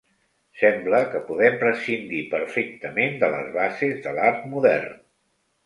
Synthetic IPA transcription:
sɛmbləkəpuðɛmpɾəsind̪ipəɾfek̚t̪əmend̪ələ̰zβazezðəlaɾt̪muðɛ̰rn

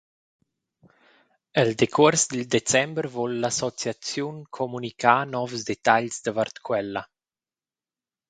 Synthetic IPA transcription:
əld̪ekʰuɾsd̪əld̪et͡sɛmbəɾvɔlːasɔt͡sjat͡sjunkʰɔmunikʰaːnɔvsd̪et̪aʎsd̪əvart̪kʰwɛlːa

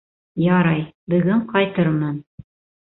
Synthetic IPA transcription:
jɑɾɑjbɵ̆ɡɘɴqɑjt̪ɤɾmɤn

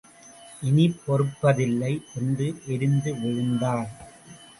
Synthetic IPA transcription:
ʔɪnɪpːɔɾɯpːɐðɪlːɐɪɛndrɯʔɛɾɯnd̪ɯʋɛɻɯnd̪aːɾ

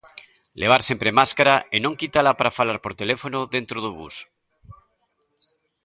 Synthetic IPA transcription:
leβ̞aɾsempɾemaskaɾaenõŋkit̪alapaɾafalaɾpoɾt̪elefonoðent̪ɾoð̞uβṵs

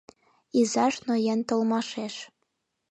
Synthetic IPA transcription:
izɑʃnojent̪olmɑʃeʃ

